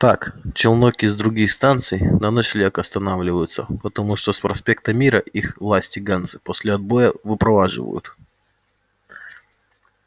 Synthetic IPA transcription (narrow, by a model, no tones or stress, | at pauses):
t̪akt͡ɕɪlˠnokʲɪzd̪ɾʊɡʲixst̪ant̪sɨjnɐnoʂlʲekɐst̪ɐnavlʲɪvəjʊt̪səpət̪ɐmuʂt̪ospɾɐsʲpʲe̞k̚t̪əmʲiɾəʔixvlˠasʲtʲɪɡant̪sɨposʲlʲɪɐd̪̚bo̞jəvɨpɾɐvaʐɨ̰və̰jʊ̰t̪